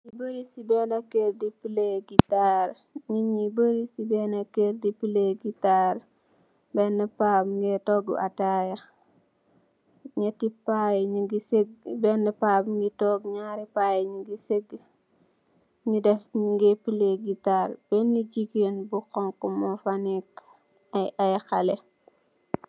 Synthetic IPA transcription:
ɲibəɾisibɛnɐkeɾdipileɡitaɾ | ɲiɲibəɾisibɛnɐkeɾdipileɡitaɾ | bɛnːəpaːpŋɡɛtɔɡ̰ʔatajɐ | ɲɐtipajɲiɡiseɡbɛnɛpabŋɡitɔɡɲaːɾipaːjɲuɡiseɡ | ɲudɛsŋɡepileɡitaɾb̥ɛnːid͡ʒiɡenbukɔŋkumɔfanik | ɐjʔajxɐlɛ

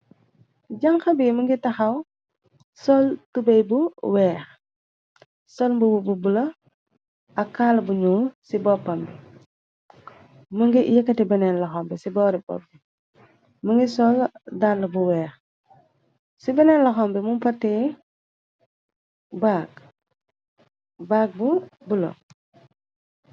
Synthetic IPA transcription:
ɟɐŋxɐbimɐŋɡitɐxɐw | sɔltubɛjbuwɛːx | sɔlmbubububulɐ | ɐkːaːlbuɲusibɔpːɐmbi | muŋɡijɐkːɐtibɛnɛnlɐxɔmbɛsibɔːɾibɔ̰p̚ːi | məŋɡisɔldaɾlɐbuwɛːx | sibɛnɛnlɐxɔmbɛmumpɐtːɛː | baːk̚ | baːk̚bubulo̰

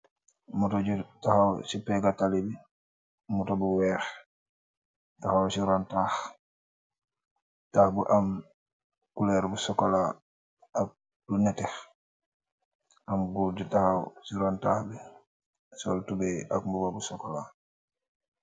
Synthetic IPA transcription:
mutɔɟutaxawsipɛɡatalibi | mutobuwɛːx | taxawsiɾɔntax | taːhbuʔam | kulɛːɾbusɔkɔla | ak̚ | bunɛtɛx | amɡuɟutahawsiɾɔntaːxbi | sɔltubɛakmbubabusɔkɔla

